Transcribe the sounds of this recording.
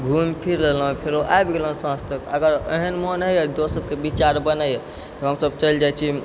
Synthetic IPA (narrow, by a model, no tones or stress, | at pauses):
ɡʱumpʰiɾlelɦũpʰeɾoʔaebɡelɦũsãst̪əkəɡəɾə̰ɦənmənɦəjəd̪osəb̚kebit͡ʃaɾbənajə | t̪ɔɦəmsəbt͡ʃəld͡ʒajt͡ʃʰi